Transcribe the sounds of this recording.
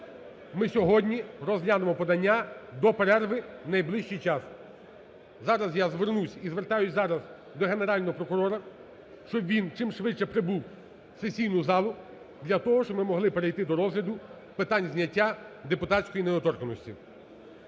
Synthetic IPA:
mɪsʲɔɦɔdʲnʲirɔzlʲad̪emɔpɔd̪ɐnʲːad̪ɔpeɾɛrʋɪnɐjblˠɪʃt͡ʃijt͡ʃɑs | zɑɾɐzjazʋernusʲizʋert̪ɑjʊsʲzɑɾɐz | d̪ɔɦe̞neɾɑlʲnɔɦɔpɾɔkʊɾɔɾɐ | ʃt͡ʃɔbʋʲint͡ʃɪmʃʋɪt͡ʃt͡ʃːɛpɾɪbuw | sesʲijnʊzɑlˠʊ | d̪lʲɐt̪ɔɦɔʃt͡ʃɔbmɪmɔɦlˠɪpeɾejt̪ɪd̪ɔɾɔzɦlʲɐd̪ʊ | pɪt̪ɑnʲzʲnʲɐtʲːad̪epʊt̪ɑsʲkɔjineɔt̪ɔrkɔnɔsʲtʲḭ

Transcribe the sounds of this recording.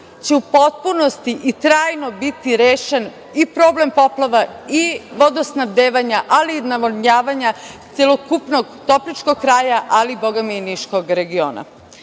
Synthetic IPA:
t͡ɕeupo̞t̪̚punost̪iʔit̪ɾaːjno̞bit̪iɾeːʃen | ipɾo̞ːble̞mpo̞plˠaʋaiʋod̪osnaʋd̪eːʋaɲaʔalinaʋoɲaːʋaɲat̪selˠokupnoɡt̪o̞plit͡ʃko̞ɡ̚kɾaːjaʔaliboɡaminiʃkoɡɾe̞ɡioːna̰

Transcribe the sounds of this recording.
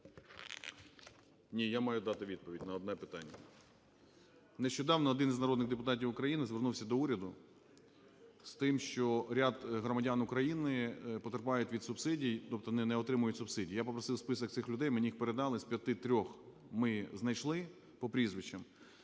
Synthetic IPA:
nʲijamɑjʊd̪ɑt̪ɪʋʲid̪̚pɔʋʲidʲnɐɔd̪nɛpɪt̪ɑnʲːɐ | neʃt͡ʃɔd̪ɑwnɔːd̪ɪniznɐɾɔd̪nɪɣd̪epʊt̪ɑtʲiwʊkɾɐjinɪzʋernuwsʲɐd̪ɔuɾʲɐd̪ʊ | st̪ɪmʃt͡ʃɔɾʲad̪ɦɾɔmɐdʲanʊkɾɐjinɪpɔt̪erpɑjʊtʲʋʲid̪sʊbsɪdʲijt̪ɔp̚t̪ɔnɪnɛɔt̪ɾɪmʊjʊtʲsʊbsɪdʲijjapɔpɾɔsɪwspɪsɔk̚t̪ɪxlʲʊd̪ɛjmnʲiixpeɾed̪ɑlˠɪsʲpʲjɐt̪ɪt̪ɾʲɔx | mɪznɐjʃlˠɪ | pɔpɾʲizʋɪt͡ʃɐm

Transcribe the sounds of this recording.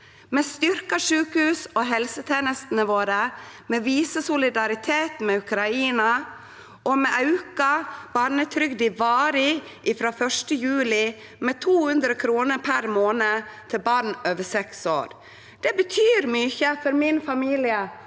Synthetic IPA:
mɛːst̪ʏɾkɑʂʉːkhʉːsoɦɛlsət̪ʰeːnəst̪nəʋoːɾəmeːʋiːsəsʊlɪd̪ɑɾɪt̪ʰeːt̪mɛʉkɾɑiːnɑ | ʔɔmɛʔɑʉkɑb̥ɑɾɳət̪ʰɾʏɡd̪ɪʋɑːɾɪ | ʔɪfɾoːfœʂʈəjʉːlɪ | mɛːt̪ʰuːhʉnd̪ɾəkʰɾuːnəɾpʰæɾmoːnət̪ʰɪlbɑɾɳøːʋəsɛkso̰ːɾ | d̪̥ɛbət̪ʰyːɾmyːçəfɔɾmɪnfɑmiːlɪə

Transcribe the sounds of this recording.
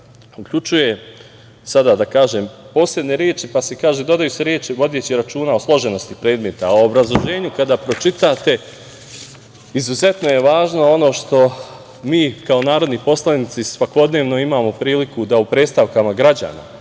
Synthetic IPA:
ukʎut͡ʃuje̞ | sad̪ad̪akaːʒe̞ːmpo̞ːsle̞d̪ne̞ɾje̞ːt͡ʃipasekaːʒed̪o̞d̪ajuseɾjeːt͡ʃiʋo̞d̪je̞t͡ɕiɾat͡ʃuːnao̞slˠo̞ʒeno̞st̪ipɾe̞ːd̪me̞t̪aoobɾazlˠo̞ʒe̞ːɲukad̪aːpɾo̞t͡ʃit̪aːt̪e̞ | izuze̞t̪no̞je̞ʋaːʒno̞o̞no̞ːʃt̪o̞ | miːkao̞naːɾo̞d̪nipo̞slˠanit̪sisʋako̞d̪ne̞ːʋno̞imaːmo̞pɾiːlikud̪aupɾeːst̪aʋkamaɡɾad͡ʑa̰ːna̰

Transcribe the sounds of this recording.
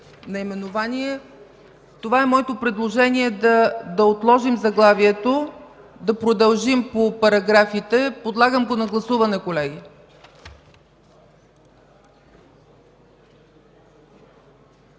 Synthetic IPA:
nɐimɛnovaniɛ | t̪ovaɛmɔɛt̪opɾɛd̪lˠoʒɛniɛd̪d̪ɐot̪lˠɔʒimzɐɡlˠaviɛt̪o | d̪ɐpɾod̪ɐlˠʒimpopɐɾɐɡɾafit̪ɛpod̪lˠaɡəmɡonɐɡlˠɐsuvɐnɛkolɛɡi

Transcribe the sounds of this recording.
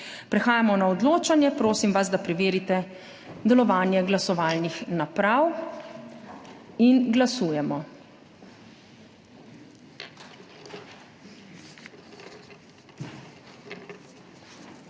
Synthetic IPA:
pɾɛxaːjamɔnaɔd̪loːt͡ʃanjɛpɾoːsimʋazd̪apɾɛʋeːɾit̪ɛ | d̪ɛlɔʋaːnjɛɡlasɔʋaːlnixnapɾaw | inɡlasuːjɛmɔ

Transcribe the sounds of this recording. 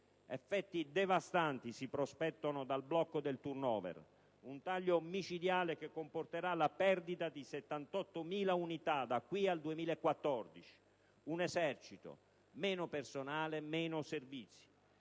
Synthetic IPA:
efːɛt̪ːid̪evast̪ant̪isipɾospɛt̪ːonod̪alblɔkːod̪elt̪urnɔːvɛ̰r | unt̪aʎːomit͡ʃid̪jaːlekekːomport̪eɾalapɛrd̪it̪ad̪iset̪ːant̪ɔt̪ːomiːlaunit̪ad̪akːwiald̪uemiːlaekːwat̪ːɔrd̪it͡ʃi̥ | unezɛrt͡ʃit̪o̰ | mɛːnʊpersonaːlemɛːnʊservit̪sːi̥

